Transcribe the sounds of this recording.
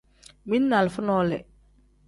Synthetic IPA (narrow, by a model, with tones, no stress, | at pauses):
mi˦nːa˨lfʊ˦nɔː˦lɛ̰˨